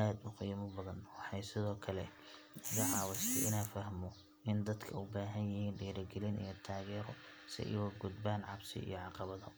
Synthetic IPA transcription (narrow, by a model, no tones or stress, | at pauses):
aːd̪ʊqijmɔbɐðɐnwɑħɑjsɪðɔːkʰɐlɛ | ɐɣɐʕɑːwɪst̪ʰɛ̰jɪnaːfɐhmɔ | ʔɪnd̪ɐd̪kʰɐʊbaːɦɐnjɪhiːnɖiːɾɐɡɛlɪnḭjɔt̪ʰaːɣɛːɾɔ | sɪ̰ʔɪ̰wɐɡʊd̪̚baːnʕɑbsɪ̰ḭjɔʕɑqɑβɐðɔ